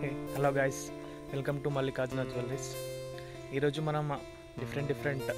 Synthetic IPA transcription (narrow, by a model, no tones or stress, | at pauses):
hɛloːɡajs | ʋelkɐmʈumɐlːiːkaːd͡ʒunaːd͡ʒʋɐlːis | iːɾoːd͡ʒumɐnɐm | ɖifʰɐɾeɳʈɖifʰɐɾeɳʈ